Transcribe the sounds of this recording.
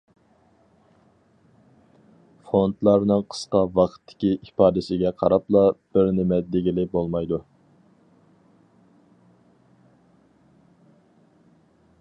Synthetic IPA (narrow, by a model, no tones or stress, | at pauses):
font̪lˠɑɾnɨŋqʰə̥sqɑvɑqʰə̥t̪ʰːɪ̥kʲiʔipɑːd̪ɪsɪɡʲɛqʰɑɾɑplˠɑb̥ɪɾnɪmɛt̪̚d̪ɪɡʲilɪbolˠmɑjd̪u